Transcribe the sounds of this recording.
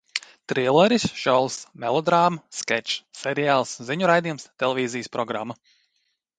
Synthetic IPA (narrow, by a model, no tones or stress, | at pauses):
t̪ɾiɛlˠɛɾisʃɔlˠsmɛlˠɔd̪ɾaːmskɛt͡ʃsɛɾiaːlˠsziɲuɾajd̪iɛmst̪ɛlʲˠɛvʲiːzijəspɾɔɡɾa̰mːa